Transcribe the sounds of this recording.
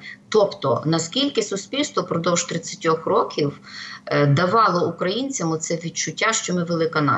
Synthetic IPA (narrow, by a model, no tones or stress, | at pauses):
t̪ɔpt̪ɔ̰nɐskʲilʲkɪsʊsʲpʲilʲst̪ʋɔpɾɔd̪ɔwʒt̪ɾɪt͡sʲːɐ̥tʲɔxrɔkʲiw | d̪ɐʋɑlˠɔukɾɐjinʲt͡sʲɐmʊt̪sɛʋʲid̚t͡ʃʊtʲːaʃt͡ʃɔmɪʋelˠɪkɐnɑ̰